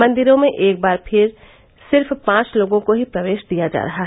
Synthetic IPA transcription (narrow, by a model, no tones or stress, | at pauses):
mɐ̃nd̪ɪɾõmẽʔeːk̚baːɾpʰɪɾ | sɪɾfpãːt͡ʃloːɡõkoɦipɾɐʋeːʃd̪ijad͡ʒa̰ːɾɐɦaɦ